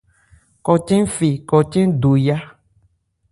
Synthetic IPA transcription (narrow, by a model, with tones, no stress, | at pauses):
kɔ˨t͡ʃɛ̃˦fe˨kɔ˨t͡ʃẽ˦ɖo˨ja˦